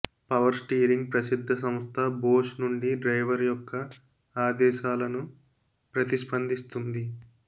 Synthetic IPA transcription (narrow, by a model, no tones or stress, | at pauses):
pɐʋɐɾsʈiːɾiŋɡ̚pɾɐsid̪ʱːɐs̬ɐmst̪ʰɐboːʂnuɳɖiɖɾɐjʋɐɾjɔkːɐ | aːd̪ɛːʃaːlɐnu | pɾɐt̪iʃpɐnd̪ʱist̪und̪i